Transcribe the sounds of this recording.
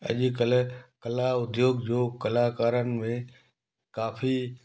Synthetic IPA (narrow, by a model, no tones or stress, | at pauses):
ɐ̰ʄkəlkɐlaʊd̪joːɡd͡ʑoːkɐlaːkaːɾənɪ̆mẽ | kaːfʰi